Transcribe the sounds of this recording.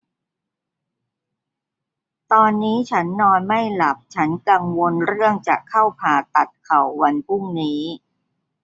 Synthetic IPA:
t̪ɔː˧nːiː˦˥t͡ɕʰa˦˥nːɔː˧nma˥˩jla˨˩p̚t͡ɕʰa˦˥nka˧ŋwo˧nɾɯ˥˩əŋt͡ɕa̰˨˩kʰa˥˩wpʰaː˨˩t̪a˨˩t̪̚kʰa˨˩wːa˧npʰu˥˩ŋniː˦˥

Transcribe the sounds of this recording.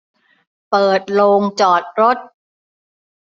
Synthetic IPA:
pɤː˨˩t̪̚loː˧ŋt͡ɕɔː˨˩t̪̚ɾo˦˥t̪̚

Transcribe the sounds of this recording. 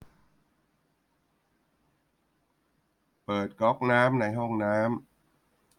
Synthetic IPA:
pɤː˨˩t̪̚kɔ˦˥k̚naː˦˥mna˧jɦɔ˥˩ŋnaː˦˥m

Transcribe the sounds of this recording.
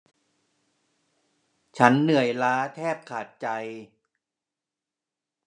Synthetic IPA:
t͡ɕʰa˦˥nːɯ˨˩əjlaː˦˥t̪ʰɛː˥˩p̚kʰaː˨˩t̪̚t͡ɕa˧j

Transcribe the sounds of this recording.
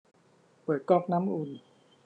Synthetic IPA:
pɤː˨˩t̪̚kɔː˥˩k̚naː˦˥mʔu˧n

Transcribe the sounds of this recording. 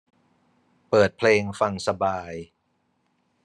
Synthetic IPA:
pɤː˨˩t̪̚pʰleː˧ŋfa˧ŋsa˧baː˧j

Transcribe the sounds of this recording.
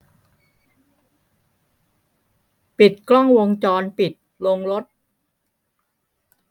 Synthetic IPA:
pi˨˩t̪̚klɔ˥˩ŋwo˧ŋt͡ɕɔː˧npi˨˩t̪̚lo˧ŋɾo˦˥t̪̚

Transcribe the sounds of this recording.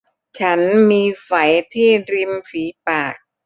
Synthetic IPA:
t͡ɕʰa˦˥nmiː˧fa˩˦jt̪ʰiː˥˩ɾi˧mfiː˩˦paː˨˩k̚

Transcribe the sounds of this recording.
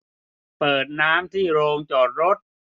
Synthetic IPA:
pɤː˨˩t̪̚naː˦˥mt̪ʰiː˥˩ɾoː˧ŋt͡ɕɔː˨˩t̪̚ɾo˦˥t̪̚

